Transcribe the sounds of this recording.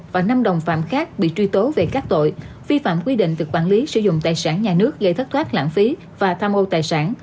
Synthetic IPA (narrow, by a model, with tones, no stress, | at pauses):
vaː˨˩na˧mɗə˨˩wŋ͡mfa̰ː˧˨mxaː˦˥k̚ɓḭ˧˨t͡ɕwi˧t̪o˨˦ve˨˩kaː˦˥k̚t̪o̰˧˨j | vi˧fa̰ː˧˨mkwi˧ɗḭ̈˧˨ŋ̟t̪ɨ˨˩k̚ɓwaː˧˩nli˨˦sɨ̰˧˩zʊ̰˧˨ŋ͡mt̪aː˨˩jsaː˧˩nɲaː˨˩nɨ˦˥ək̚ɣə˧jt̪ʰə˦˥t̚t̪ʰwaː˦˥k̚la̰ː˧˨nfi˨˦ | vaː˨˩t̪ʰaː˧mʔo˧t̪aː˨˩jsaː˧˩n